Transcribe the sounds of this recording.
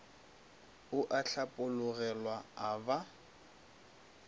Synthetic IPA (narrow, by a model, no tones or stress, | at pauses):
ʊʔaɬapʼʊlʊɣɛlwaaba